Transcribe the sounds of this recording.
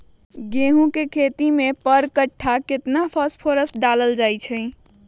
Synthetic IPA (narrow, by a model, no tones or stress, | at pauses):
ɡẽɦũkekʰet̪imepəɾkəʈʰːaket̪napʰəspʰoɾəsɖaləld͡ʒajt͡ʃʰə